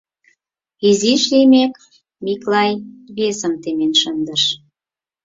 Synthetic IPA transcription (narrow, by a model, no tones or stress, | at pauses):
iziʃlimek | miklɑjβesəmt̪emenʃənd̪əʃ